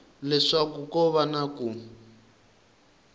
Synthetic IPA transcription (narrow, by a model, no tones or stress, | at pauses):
lɛʂakukɔβanaku